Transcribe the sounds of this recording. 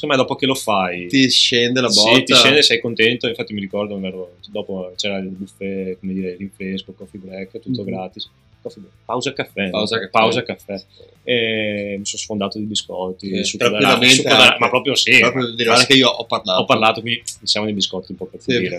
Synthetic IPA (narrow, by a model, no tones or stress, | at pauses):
semajd̪ɔːpokelofajt̪iʃend̪elabsɔit̪iʃɛnd̪esɛjkont̪ent̪oiɱfat̪ːimiɾikɔrd̪ovɛɾod̪ɔːpot͡ʃɛːɾabufːɛkomed̪iɾɛjliɱfeskokːɔfibɾɛkːt̪ut̪ːoɡɾaːt̪is | kɔfiɛpawzakafːɛpazpawzakafːɛ | ɛmisonsfond̪aːt̪od̪ibiskɔt̪ːisuɾad̪aiameuod̪aamapɾɔːpɾjosiɾɔpɾjod̪iɾaɾekeioʔɔparlaɔpːarlaːt̪okind̪imisjamonejb̪iskɔt̪ːiumpɔpefiːɾe